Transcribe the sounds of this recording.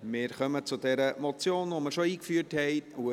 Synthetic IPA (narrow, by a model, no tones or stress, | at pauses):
mɪːɾχœmət͡sʊdɛɾəmɔt͡sjoːnʋoməɾʃoiːkfyːəɾthɛɪtu